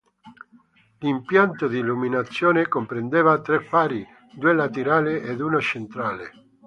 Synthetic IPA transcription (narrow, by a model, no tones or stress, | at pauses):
limpjant̪od̪iːluminat̪sːjoːnekompɾend̪eːvat̪ɾepːaːɾi | d̪uːelat̪eɾaːlɪed̪unot͡ʃent̪ɾaːle